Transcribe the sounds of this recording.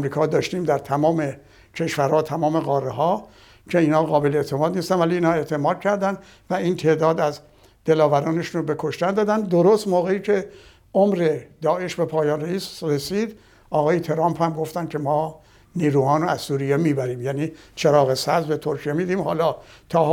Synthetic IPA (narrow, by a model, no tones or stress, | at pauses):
mɾiːkʰɒːd̪ɒːʃt̪iːmd̪æɾt̪ʰæmɒːme̞ | cʰe̞ʃvæɾhɒːt̪ʰæmɒːme̞ɣɒːrːeɦɒː | kʰe̞iːnhɒːɣɒːbeleeʔt̪ʰe̞mɒːd̪niːst̪ænvæliːnhɒːeʔt̪ʰe̞mɒːd̪̥̚kʰæɾd̪ænd̪ | væiːnt̪ʰe̞ʔd̪ɒːd̪æz | d̪̥e̞lɒːvæɾɒːneʃunobe̞kʰo̞ʃt̪ænd̪ɒːd̪ænd̪d̪oɾost̪moːɣe̞iːkʰe̞ | ʔomɾe̞d̪ɒːe̞ʃbe̞pʰɒːjɒːnreisɾesiːd̪ | ʔɒːɣɒːjet̪ʰe̞ɾɑːmphæmɡo̞ft̪æn̥kʰe̞mɒː | niːɾuːhɒːnoæzsuːɾijemiːbæɾiːmjæniːt͡ʃʰeɾɒːɣe̞sæzbe̞t̪ʰoɾkʰijemiːd̪iːmhɒ̰ːlɒːt̪ʰɒː